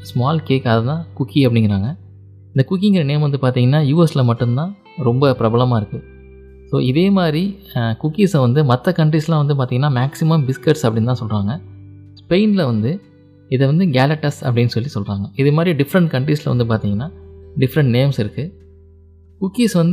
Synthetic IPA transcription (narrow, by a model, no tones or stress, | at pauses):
smaːlkeːkaːðɐt̪ãːkʊkːiɐp̬ːɐɽɪŋɡɪɾaːŋɡɐ | ɪnd̪ɐkʊk̬ːɪŋɡɪɾɐneːmʋɐnd̪ɯpaːɾt̪iːŋɡɐnːaːjuːɛslɐmɐʈːɯnt̪ãː | ɾɔmbɐpɪɾɐbɐlɐmaːɪɾɯkːɯ | so̰ːɪðeːmaːd̪ɾikʊkːiːsʋɐnd̪ɯmɐt̪ːɐkɐɳʈɾiːslãːʋɐnd̪ɯpaːɾt̪iːŋɡɐnːaːmaːksɪmɐmbɪskɐʈsɐpːɐɽɪnt̪ãːsɔlɾaːŋɡɐ | spɐɪnlɐʋɐnd̪ɯ | ɪðɐʋɐnd̪ɯɡaːlɐʈːɐsɐ̰p̬ːɐɽɪnːɯsɔlːisɔlɾaːŋɡɐɪðɯmaːd̪ɾiɖɪfɾɐɳʈ̚kɐɳʈɾiːslɐʋɐnd̪ɯp̬aːɾt̪iːŋɡɐnːaːɖɪfɾɐɳʈ̚neːmsɪɾɯkːɯ | kʊkːiːsʋɐnd̪